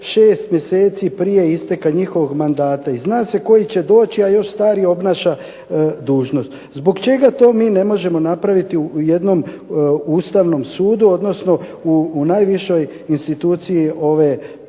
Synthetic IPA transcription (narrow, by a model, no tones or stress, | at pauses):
ʃe̞ːst̪mje̞se̞ːt̪sipɾije̞ist̪e̞kaɲixo̞ʋo̞ɡmand̪aːt̪aiznaːse̞ko̞jit͡ɕe̞d̪o̞ːt͡ɕiajo̞ʃst̪aːɾijeo̞bnaːʃa | d̪uːʒno̞st̪ | zbo̞ɡt͡ʃe̞ɡat̪o̞ːmiːne̞mo̞ʒe̞mo̞napɾaʋit̪iuje̞d̪no̞m | uːst̪aʋno̞msuːd̪uo̞d̪no̞sno̞unajʋiʃo̞j | inst̪it̪uːt̪sijiʔo̞ʋe̞